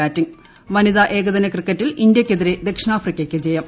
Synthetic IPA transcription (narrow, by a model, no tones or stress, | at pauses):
aːtːiŋ | ʋɐniðaʔe̞ːɡɐðɐnɐkrikːɐtːilind̪jɐkʲːeðiɾed̪e̞kʂɐnaːfrikʲːɐkʲːɨd͡ʑejɐm